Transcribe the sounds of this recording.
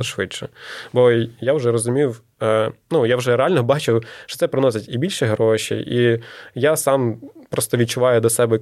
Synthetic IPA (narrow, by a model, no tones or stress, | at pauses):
ʃʋɪtt͡ʃɔbɔjawʒɛɾɔzʊmʲijw | nujawʒɛɾeɛalʲnɔbɑt͡ʃɪwʃt͡ʃɔ̥t̪ɛpɾɪnɔsʲɪtʲibʲilʲʃɛɦɾɔʃʲḭʔijasɑmpɾɔst̪ɔʋʲid̚t͡ʃʊʋɑjʊd̪ʲɐsɛbɛ